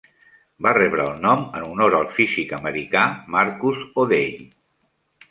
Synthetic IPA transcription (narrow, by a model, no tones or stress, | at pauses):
barɛβɾəːlˠnɔmənunoɾəlˠfizikəməɾikamaɾkuzoðeʎ